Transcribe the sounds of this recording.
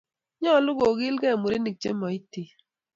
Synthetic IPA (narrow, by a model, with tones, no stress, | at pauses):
ɲɔ˦˨lʊ˦ɡo˨ɡɪ˦lɡɛ˦˨mu˨ɾe˦ni˨k̚t͡ʃḛ˦mɔ˨i˦ti˨